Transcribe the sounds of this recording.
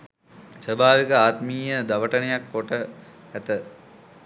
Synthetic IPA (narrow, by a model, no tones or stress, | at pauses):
səbʱaːʋikəaːt̪miːjəd̪aʋəʈənejakːoʈə | æt̪ə